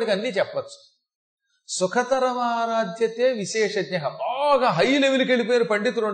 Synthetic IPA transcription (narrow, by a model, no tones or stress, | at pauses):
ɽikɐnːiːt͡ʃɛpːɐt͡ʃːu̥ | sukʰɐt̪ɐɾɐmaːɾaːd̪ʱjɐt̪eːʋiʃɛːʂɐd̪ɲɐɦɐbaːɡaːɦɐjːleʋilukeɭip̬ɔːjaːɾupɐɳɖit̪uɾoɳ